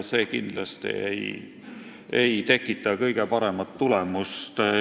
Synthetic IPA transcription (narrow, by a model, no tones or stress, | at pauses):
se̞ːkind̪̥lɑst̪ḭḛj | ejt̪e̞kːˑit̪ːˑɑkɤjɡ̥e̞pɑɾe̞mɑt̪ːulɛmust̪